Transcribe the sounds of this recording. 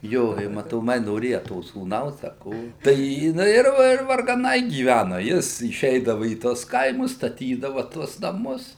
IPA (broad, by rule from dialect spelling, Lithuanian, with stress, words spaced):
ˈjoː ɪ mɐtoːˈmɐɪ noːˈrʲeːjɛ toː suːˈnɐʊs ɐ ˈkoː tɐɪ jɪˈnɐɪ ɪr ɪr ʋɐrɡɐˈnɐɪ ɡʲiːˈʋʲænʊ ˈjɪs ɪˈʃʲɛɪdɐʋɐ iː ˈtuɔs ˈkɐɪmʊs stɐˈtʲiːdɐʋɐ ˈtuɔs nɐˈmʊs